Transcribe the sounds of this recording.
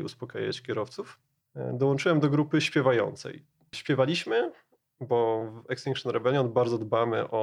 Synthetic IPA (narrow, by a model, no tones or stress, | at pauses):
ṵspɔka̰ja̰t͡ɕkʲɛɾɔft̪suf | d̪ɔwɔnt͡ʂɘwɛmd̪ɔɡɾupɘɕpʲjɛvajɔ̰nt̪sɛ̰j | ɕpʲjɛvalʲiɕmɘ | bɔvɛkst̪iŋkʂɔnɾɛvɛlʲjɔnd̪baɾd̪zɔd̪bamɘ̰ʔɔ